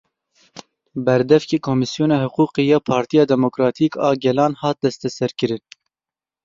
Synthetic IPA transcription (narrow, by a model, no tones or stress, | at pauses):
bɛɾd̪ɛfkeːkʰomɨsijoːnɑːhʊquːqeːjɑːpʰɑːɾt̪ijɑːd̪ɛmokɾɑːt̪ʰiːkʰɑːɡɛlɑːnhɑːt̪̚d̪ɛst̪ɛsɛɾkɨɾɨn